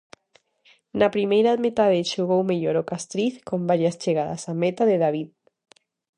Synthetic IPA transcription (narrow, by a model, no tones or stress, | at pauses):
napɾimejɾamet̪aðeʃoɣ̞owmeʎoɾokast̪ɾiθkombaɾjast͡ʃeɣaða̰samet̪aðeðaβið